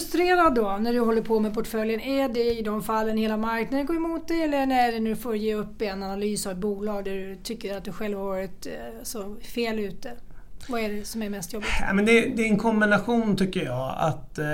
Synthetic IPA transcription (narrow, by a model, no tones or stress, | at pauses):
ɵst̪ɾeːɾad̪ːɔnæɖɵɦɔlːəɾpʰɔmɛpʰɔʈfœljənæɖɛɪd̪ɔmfalːənheːlamaɾknad̪ənɡoːɾɛmuːt̪̚d̪ɛjɛlːəɳæɖɛnɵfoːɾjeːɵpːɛnanalyːsavbuːlɑːɡd̪æɖɵt̪ʰʏkːəɾɾat̪̚d̪ɵɧɛlvavɾvɑːɾɪt̪sɔfeːlʉ̟ːt̪əvaæɖɛsɔmæɾmɛst̪jɔbːɪɡ̪̰mɛnd̪ɛd̪ɛɛnkʰɔmbɪnaɧuːnt̪ʰʏkːəjɑ̰ːa̰t̪